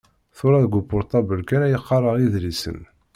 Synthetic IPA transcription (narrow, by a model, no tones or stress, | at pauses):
θʊɾɑðɡʷʊbʊɾt̪ˤɑbəlkænæjəqːɑrˤəʁiðlisə̰n